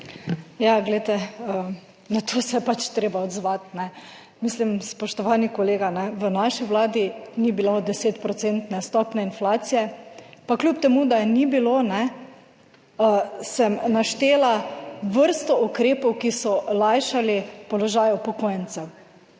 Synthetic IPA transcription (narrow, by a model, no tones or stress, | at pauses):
jaɡlɛjt̪ɛə | nat̪ʰosɛjɛpat͡ʃt̪ɾeːbaɔd̪zʋat̪nɛ | mislimspɔʃt̪ɔʋanikɔleːɡanɛʋənaʃiʋlaːd̪inibilod̪ɛseːt̪pɾɔt̪sent̪nɛst̪ɔpnɛinflaːt̪sijɛpaklʲjupt̪ɛmud̪anibilonɛ | sɛmnaʃt̪eːlaʋəɾst̪ɔukɾeːpɔwkisɔlajʃalipɔlɔʒaːjɔpɔkojənt̪sɛw